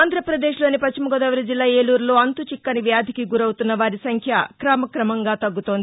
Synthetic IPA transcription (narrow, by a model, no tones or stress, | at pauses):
aːnd̪ɾɐpɾɐd̪e̞ːʃlo̞ːnipɐt͡ʃt͡ʃːimɐɡoːd̪ɐʋɐlɐd͡ʒilːaːeːluːɾlo̞ːɐnt̪ut͡ʃikːɐniʋjaːd̪ʱikiɡuɾɐwut̪unːɐʋaːɾisɐŋkʰjɐkɾaːmɐkɾɐmɐŋɡaːt̪ɐɡːut̪o̞ːnd̪i